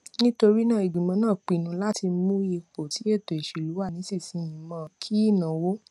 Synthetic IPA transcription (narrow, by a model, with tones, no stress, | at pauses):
nĩ˦to˧ɾi˦nãː˦˨e˨ɡ͡bĩ˨mã˧˦nãː˦˨k͡pi˨nũ˨˦la˦ti˧˦mũ˦je˧k͡po˨ti˨˦e˦˨to˨e˨ʃi˨lu˨˦wa˦˨nĩ˨˦si˦˨sĩ˨˧˦jĩ˨˦mã˧˨kʰi˦i˦˨nã˨wo˦